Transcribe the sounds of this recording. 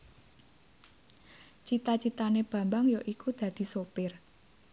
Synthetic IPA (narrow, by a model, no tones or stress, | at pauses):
t͡ʃit̪at͡ʃit̪aneb̥ä̤mbaŋjoʔikud̪̥ä̤d̪̥i̤sopɪr